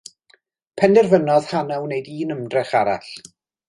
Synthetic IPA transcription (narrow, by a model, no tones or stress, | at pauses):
pʰɛndɛrvənɔð̥hanawnejdiːnəmdrɪχaɾa̰ɬ